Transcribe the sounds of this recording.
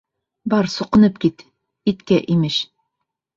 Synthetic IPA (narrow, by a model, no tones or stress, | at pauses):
bɑɾsŭqɤ̆nɤp̚kit̪ | it̪kæʔimɘʃ